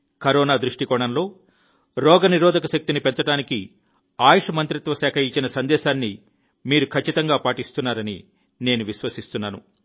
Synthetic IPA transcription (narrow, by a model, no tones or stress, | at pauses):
kɐɾɔːnaːd̪ɾuʂʈikɔːɳɐnlo̞ː | ɾɔːɡɐniɾɔːd̪ʱɐkɐʃɐk̚t̪inipɛnt͡ʃɐɽaːniki | aːjɐʂɐmɐnt̪ɾit̪ʋɐsɛːkʰɐit͡ʃːinɐsɐnd̪ɛːʃaːnːi | miːɾukʰɐt͡ʃːit̪ɐŋɡaːpaːʈist̪unːaːɾɐni | ne̞ːnuʋiʃʋɐsist̪unːaːnṵ